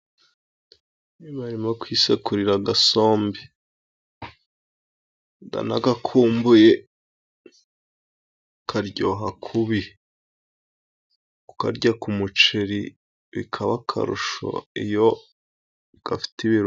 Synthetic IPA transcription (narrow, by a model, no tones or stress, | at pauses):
niβaɾimokwiːsekuɾiɾaɡaso̞ːmbi | ɡa̰nakɡakʰuːmbuje | kʰaɾɟo̞ːɦakʰuβi | uka̰ɾɟakumut͡ʃeɾi | βḭkʰaβakʰa̰ɾṵʃo̰ijo̞ | ɡ̥afi̥tiβiɾ